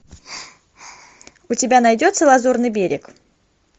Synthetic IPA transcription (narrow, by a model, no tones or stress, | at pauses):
ʊtʲɪbʲanɐjdʲot̪səlˠɐzurnɨjbʲeɾʲɪk